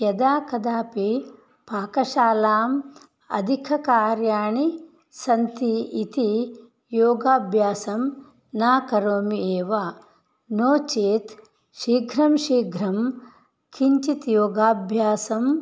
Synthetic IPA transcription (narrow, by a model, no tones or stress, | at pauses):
jɐd̪aːkɐd̪aːpi | paːkɐʃaːlaːm | ɐ̰d̪ʱikʰɐkaːɾjaːɳi | sɐnt̪iit̪i | joːɡaːbʱjaːsɐm | naːkɐɾoːmieːʋa | noːt͡ʃeːt̪ | ʃiːɡʱɾɐmʃiːɡʱɾɐm | kʰiɲt͡ʃit̪joːɡaːbʱjaːsɐm